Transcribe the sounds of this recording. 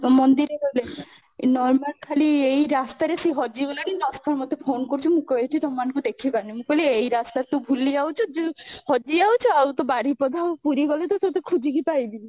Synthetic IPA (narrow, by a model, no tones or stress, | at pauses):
mɔnd̪iɾeɾle | nɔɾmalkʰaliejɾast̪aɾesiɦɔd͡ʒibɔleninɔsk̪ʰɔɾmɔd̪ʱːepʰonkɔɾt͡ʃʰumũkɔeʈʰit̪ɔmːanɔ̃ŋkud̪ekʰibaɾnimũkɔliejɾast̪aɾet̪obʱuliawt͡ʃʰɔd͡ʒuhɔd͡ʒiawt͡ʃʰɔawt̪ɔbaɽipɔd̪ʱapuɾiɡɔlet̪ɔsɔt̪ekʰud͡ʒʱikipajbi